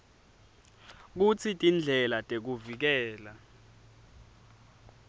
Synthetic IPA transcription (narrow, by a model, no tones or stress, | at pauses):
k̬ut͡sʰitʼind͡ɮʱɛlatʼek̬uvik̬ɛːla